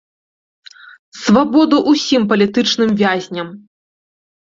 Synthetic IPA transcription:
svabɔd̪uʔusʲimpɐlʲit̪ɨt͡ʂn̪ɨmvʲazʲnʲɐm

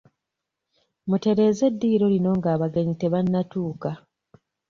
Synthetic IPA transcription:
mute̞ɾe̞ːze̞dːiːɾo̞lino̞ŋɡaːβaɡaɲite̞βanːatuːka

